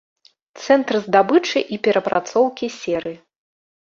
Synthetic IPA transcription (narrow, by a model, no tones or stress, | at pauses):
t̪sɛnt̪ɾɨzd̪abɨt͡ʂɨʔipʲɛɾɐpɾʔa̰t̪sɔwkʲisʲɛɾɨi